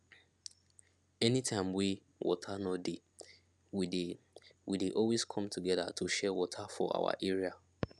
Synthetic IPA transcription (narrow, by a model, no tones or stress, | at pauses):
ɛnitʰãɪ̃mwi | wɔ̰tʰanɔdi | wi | wideʔɔlwiskʰɔ̃mtʰuɡɛða̰tʰuʃɛwɔtʰafɔa̰wa̰ʔɛɹia